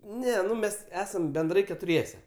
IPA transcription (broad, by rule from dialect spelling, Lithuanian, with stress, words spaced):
ˈnʲɛ ˈnʊ ˈmʲɛs ˈæːsɐm bʲɛnˈdrɐɪ kʲɛtʊˈrʲiɛsʲɛ